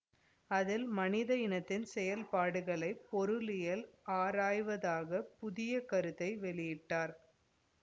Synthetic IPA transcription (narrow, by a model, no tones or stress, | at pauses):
ɐðɪlmɐnɪðɐjɪnɐt̪ːɪnsɛjɐlpaːɽɯɣɐɭɐɪpːɔɾɯlɪjɐlaːɾaːjʋɐðaːɣɐpʊðɪjɐkɐɾɯt̪ːɐɪʋɛɭɪjɪʈːaːɾ